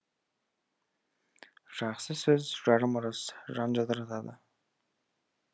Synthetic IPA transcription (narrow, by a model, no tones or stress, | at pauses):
ʒ̥ɑχsəsɵzʒɑɾəmʊɾɑsʒɑnʒɑd̪əɾɑt̪ɑd̪ə̰